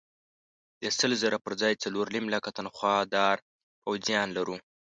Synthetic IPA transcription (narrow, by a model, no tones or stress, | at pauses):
d̪̥əsəlzəɾapəɾd͡zɑjt͡saloɾlimlakat̪anxwɑd̪ɑɾ | pawzijɑnlaɾu